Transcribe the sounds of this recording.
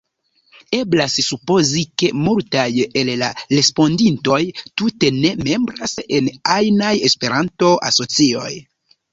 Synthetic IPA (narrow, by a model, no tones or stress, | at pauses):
e̞blassupo̞zike̞multaje̞llaɾe̞spo̞ndinto̞jtute̞ne̞me̞mbɾase̞najnaje̞spe̞ɾʔanto̞ʔa̰so̞t͡sio̞̰j